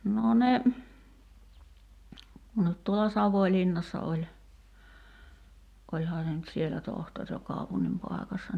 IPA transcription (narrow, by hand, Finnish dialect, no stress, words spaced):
no ne no tuolɑ sɑʋoĭlinːɑsːɑ olʲ olʲhɑː se nyt sielæ tohtor jɑ kɑˑupunːim pɑˑi̞kɑsːɑ